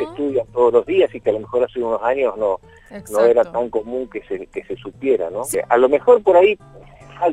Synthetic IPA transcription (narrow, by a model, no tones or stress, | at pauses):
est̪uðjant̪o̞ð̞olo̞zðiasikealo̞mexo̞ɾaseuno̞saɲo̞zno̞ | no̞e̞ɾat̪aŋko̞mũŋkesekese̞supje̞ɾa̰no̞alo̞me̞xo̞ɾpo̞ɾai | fal